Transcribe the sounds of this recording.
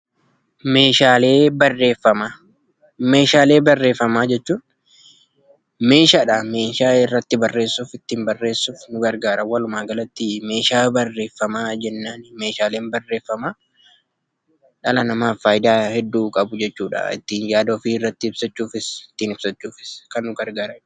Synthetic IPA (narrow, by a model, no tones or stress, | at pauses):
me̞ːʃaːle̞ːbɐrːe̞ːfːɐma | me̞ːʃaːle̞ːbɐrːe̞ːfːɐmaːd͡ʒɛt͡ʃːuːn | me̞ːʃaːᶑame̞ːʃaːɪrːɐt̪ːɪbɐrːe̞ːsːʊfɪt̪ːiːmbɐrːe̞ːsːʊfnʊɡɐɾɡaːɾɐwɐlʊmaːɡɐlɐt̪ːɪme̞ːʃaːbɐrːe̞ːfːɐmaːd͡ʒɛnːaːnme̞ːʃaːle̞ːnbɐrːe̞ːfːɐmaː | ᶑɐlɐnɐmaːfːaːjɪd̪aːhɛd̪ːuːkʼɐbʊd͡ʒɛt͡ʃːuːᶑa̰ɪ̰t̪ːiːnjaːd̪ɐɔfiːɪrːɐt̪ːɪɪbsɐt͡ʃːuːfɪsɪt̪ːiːnɪb̥sɐt͡ʃːuːfɪ̥skɐnːʊɡɐɾɡaːɾɐ